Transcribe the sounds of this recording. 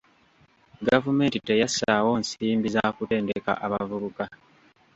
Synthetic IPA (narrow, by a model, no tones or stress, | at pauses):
ɡavume̞ːntite̞jasawo̞ːnsiːmbizakute̞ːndeka̰ʔaβavuβuka